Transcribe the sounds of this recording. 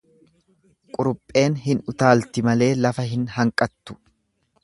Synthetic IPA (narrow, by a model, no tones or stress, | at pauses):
kʼʊɾʊpʼːe̞ːnhɪnʊt̪aːlt̪ɪmɐle̞ːlɐfɐɦɪnhɐŋkʼɐt̪ːʊ̥